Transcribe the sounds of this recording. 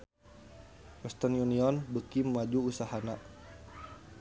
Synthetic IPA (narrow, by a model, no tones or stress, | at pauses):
wɛst̪ɔnjuniɔnbəkimːad͡ʒuːsahana